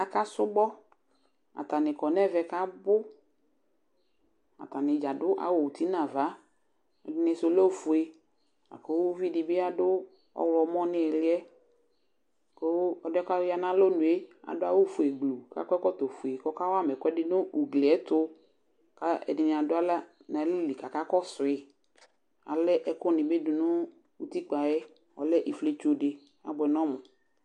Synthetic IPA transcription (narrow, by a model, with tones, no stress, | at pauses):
a˨ka˦sʊ˦bɔ˦ | a̰˨t̪a˨nɪ˨kɔ˨nɛ˦˨vɛ˨ka˦bʊ˦ | a̰˨t̪a˨nɪ˨d͡ʒa˨dʊ˦ʔa̰˨wo˦˨wu˨t̪i˦nã˨va˨˦ | ɛ˨dɪ˨˦nɪ˧sʊ˨lo˦˨fu˨e˨ | a̰˨ko˦vi˦dɪ˨bɪ˦a˦dʊ˦ | ɔ̰˦wlɔ˨mɔ̃˦nɪ̃˦ɛ˨lɪ˦ɛ˦˨ | ko˦ɔ˨dɛ˦ka˦ja˨nã˦lo˦nũ˨e˦a̰˨dʊ˦a˦wo˦fu˨e˨ɡlu˨ka̰˦kɔ˦ɛ˦kɔ˦t̪o˨fu˨e˨kɔ˦ka˦wa˦mɛ˨kɔ˦ɛ˦dɪ˦nʊ̃˦u˨ɡle˨ɛ˦t̪ʊ˦ | ka˦ɛ̰˨dɪ˨nɪ̃˨a˨dʊ˦a˦la˦ | nã˨˦lɪ˦˨li˨ka˨ka˦kɔ˦sʊ˨ɪ˨ | a̰˨lɛ˦ʔɛ˨kʊ˦nɪ̃˨be˦dʊ˨nʊ̃˦ | wu˦t̪i˦k͡pa˨jɛ˦ | ɔ˨lɛ˦ʔi˨fle˦t͡ʃo˦dɪ˨ | a̰˨bɛ˨nɔ̃˦mʊ̃˨